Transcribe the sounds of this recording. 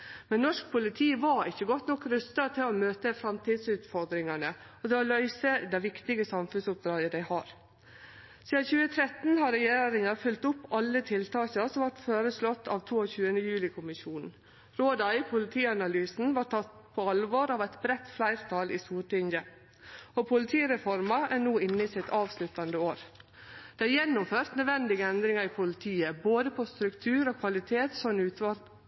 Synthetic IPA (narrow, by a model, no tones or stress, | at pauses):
mɛnnːɔʂk̚pʰʊlɪt̪ʰiːʋɑɾɪçːəɡɔt̪nɔkːɾʉst̪ɑt̪ʰɪloːmøːt̪əfɾɑmt̪ʰiːd̪sʉːt̪fɔɾd̪ɾɪŋɑnə | ɔd̪ɛolœʏsəd̪æɪʋɪkt̪ɪɡəsɑmfʉnsʊp̚d̪ɾɑːd̪əd̪æɪhɑːɾ | siːd̪ɑçʉːət̪ʰɾɛt̪n̩hɑɾɛjeːɾɪŋɑfʉlt̪ʊpːɑlːət̪ʰɪlt̪ʰɑːɕɑsɔmʋɑʈføːɾəslɔt̪ʰːɑ̰ːʋt̪ʰuːoçʉːənəjʉːlɪkʰʊmɪʃuːnn̩ | ɾoːd̪ɑɪpʰʊlɪt̪ʰiːɑnɑlyːsn̩ʋɑʈʈʰɑt̪ | pʰoɑlʋoːɾɑːʋæɪt̪bɾɛt̪ːflæɪɾt̪ʰɑːlḭːst̪uːʈɪŋə | opʰʊlɪt̪ʰiːɾɛfɔɾmɑæɳuːɪnːəɪsɪt̪ʰɑːʋslʉt̪ɑnd̪əoːɾ | d̪̥ɛæjɛnːʊmføːɾt̪nœd̪ʋɛnd̪ɪɡəɛnd̪ɾɪŋɑɾiːpʰʊlɪt̪ʰiːəboːd̪əpʰɔst̪ɾʉkt̪ʰʉːɾoːkʰʋɑlɪt̪ʰeːt̪sɔnnʉːt̪ʋɑl